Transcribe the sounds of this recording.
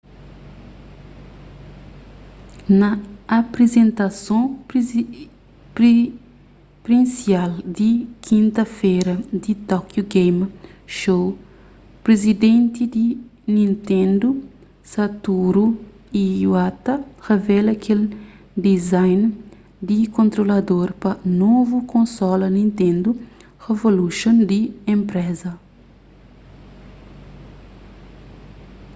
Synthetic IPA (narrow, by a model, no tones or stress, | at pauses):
nɐːpɾezẽnt̪ɐsõ | pɾi | pɾĩnsiald̪ikʰĩnt̪ɐfejɾɐd̪it̪ɔkjuɡejmʃow | pɾezid̪ẽnt̪id̪inĩnt̪ẽnd̪u | sɐt̪uɾu | iwat̪ɐʁevɛlɐkʰel | d̪izajn | d̪ikõnt̪ɾolɐd̪oɾpɐnovukõnsɔlɐnĩnt̪ẽnd̪u | ʁevoluʃõnd̪iẽmpɾɛzɐ